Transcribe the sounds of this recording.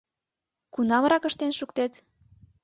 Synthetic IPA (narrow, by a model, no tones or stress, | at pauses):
kunɑmɾɑkəʃt̪enʃukt̪et̪